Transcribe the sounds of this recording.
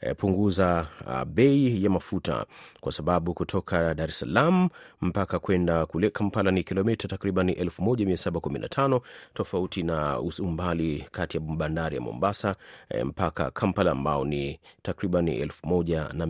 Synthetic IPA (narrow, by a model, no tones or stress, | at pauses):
puŋɡuzaɓɛijamafuta̰kwʔasaɓaɓukutʰɔkʰaɗaɾɛsalamum̩pakakwɛndakulɛkʰampalanikilɔmitatakɾiɓaniʔɛlfumɔʄamiasaɓakuminʔa̰tʰanɔtɔfautinausumbalikatijaɓandaɾija̰mɔ̰mbasam̩paka̰kʰampalaːmbaɔnitakɾiɓanḭɛ̰lfumɔʄana